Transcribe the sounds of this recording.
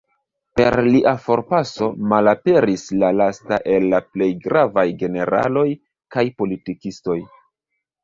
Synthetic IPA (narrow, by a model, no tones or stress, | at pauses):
pe̞̰ɾliʔafo̞ɾpaso̞malape̞ɾislalastaʔe̞lːaple̞jɡɾavajɡe̞ne̞ɾa̰lo̞j | kajpo̞litikisto̞j